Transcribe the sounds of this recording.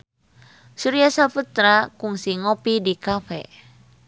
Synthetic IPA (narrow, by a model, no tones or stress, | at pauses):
suɾiasaput̪ɾakuŋsiŋopidikafɛ̰